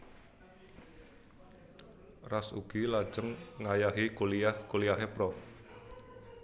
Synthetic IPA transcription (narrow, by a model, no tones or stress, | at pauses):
rasṵɡ̥ilḁd͡ʒəŋːajaɦikolijahkolijaɦepɾɔf